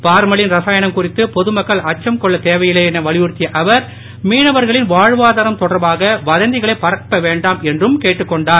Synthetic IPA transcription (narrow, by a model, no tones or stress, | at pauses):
paːɾmɐɭɪnɾɐsaːjɐnɐmkʊrɪt̪ːɯpɔðɯmɐkːɐɭɐt͡ʃːɐmkɔɭːɐt̪eːʋɐjɪleɛnɐʋɐɭɪʋʊɾt̪ːɪjɐʔɐʋɐɾ | miːnɐʋɐɾɣɐɭɪnʋaːɻʋaːðaːɾɐmt̪ɔɽɐɾbaːɣɐʋɐðɐnd̪ɪɣɐɭɐɪpɐrɐpːɐʋeːɳɖaːmɛndrɯmkeːʈːɯkːɔɳɖaːɾ